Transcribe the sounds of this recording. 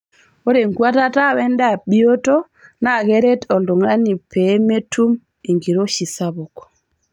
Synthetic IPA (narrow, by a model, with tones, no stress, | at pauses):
o˦ɾe˨ŋɡwa˦ta˦ta˦˨wɛ˦nda˦˨ɓi˦o˦to˦ | na˦˨ɣɛ˦ɾe˦tɔ˨ldu˨ŋa˦ni˨pʰe˨˦me˦tʰu˦m | i˨ŋɡi˨ɾo˦ʃi˨sa˦βɔ˨kɔ̥˨